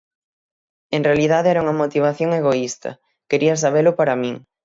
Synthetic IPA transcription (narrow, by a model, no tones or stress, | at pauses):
eŋrealiðaðeɛɾɐuŋɐmot̪iβ̞aθjoŋeɣoist̪ɐ̰ | keɾiɐs̬aβ̞elʊpaɾɐmĩŋ